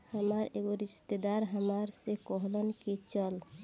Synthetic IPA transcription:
həməɾeɡoɾiʃt̪ed̪aɾɦəmaɾsekɔɦlənkit͡ʃəl

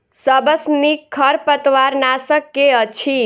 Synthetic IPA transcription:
səbəsnikʰəɾpət̪ʋaɾnasəkːeət͡ʃʰi

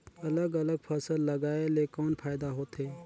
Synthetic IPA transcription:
ɐləɡɐləɡ̚pʰəsəlːɐɡaːeleːkɔːnpʰaːɪd̪aɦoːt̪ʰeː

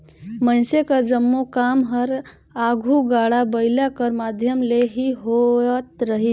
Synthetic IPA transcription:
mənsekəɾd͡ʒəmːukamɦəɾ | aɡʱuɡaɽabəɪlakəɾmad̪ʱjəmleɦiɦot̪ɾəɦi

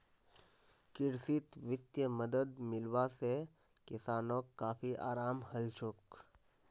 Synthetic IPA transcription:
kɪɾsɪt̪ʋɪt̪jəməd̪əd̪mɪlwase | kɪsaːnoːkːaːfiʔa̰ːɾaːmhɐlt͡ʃʰʊk

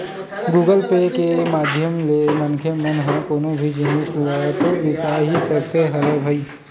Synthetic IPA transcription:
ɡuːɡəlpekemaːd̪ʱjəmlemɐnkʰemənɦə̃koːnõbʱid͡ʒinɪt̪lət̪obɪsaːɦisɐɾseɦɐləbʱɐiː

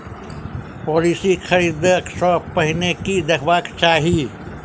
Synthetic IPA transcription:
pɔːliːsixʰɐɾiːd̪ksɔːpəɦɪnekid̪ɐkʰʋaːkt͡ʃaːɦiː

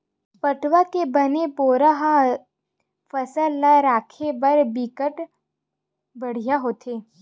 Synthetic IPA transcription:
pəʈwakebənepoːɾaɦa | fɐsəlːaɾaːkʰebɐɾbikəʈ | bɐɽ̤ijaɦoːt̪ʰeː

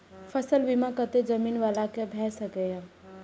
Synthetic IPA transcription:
fʰəsəlbimakət̪ed͡ʒəmiːnʋaːlakebʱɛːsəkejã

